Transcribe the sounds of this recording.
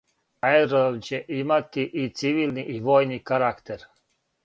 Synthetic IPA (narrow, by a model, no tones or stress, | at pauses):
aeɾoʋt͡ɕe̞ʔimat̪iʔit̪siʋiːlniʔiʋoːjnikaɾakt̪eɾ